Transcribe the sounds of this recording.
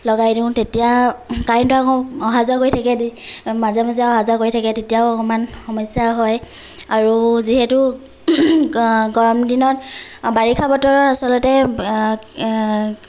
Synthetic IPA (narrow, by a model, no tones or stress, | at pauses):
lɔɡajdũʊ̃tetijakaɹintʊakɔɔɦazakoitʰakɛdimazɛmazɛɔɦazakoɹitʰakɛtetijaokɔmanxɔmɔsjaɦɔj | aɹuziɦɛtu | ɡɔɹɔmdinɔt̚baɹikʰabɔtɔɹɔɹasɔlɔtɛ